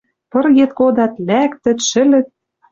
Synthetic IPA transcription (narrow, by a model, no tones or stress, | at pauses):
pɤ̆rɣet̪kod̪ɑt̪lækt̪ɘ̆t̪ʃɘ̆lɘ̆t̪̚